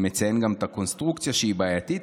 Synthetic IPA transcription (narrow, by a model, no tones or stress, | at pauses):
mɛt̪sɛŋɡamt̪akonst̪ɾukt̪sijaʃibajat̪it̪